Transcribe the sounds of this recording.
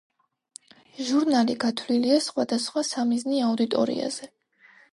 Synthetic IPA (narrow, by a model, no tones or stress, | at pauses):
ʒuɾnaliɡat̪ʰwliliasχwad̪asχwasamizniaud̪it̪ʼɔ̰ɾḭa̰z̥ɛ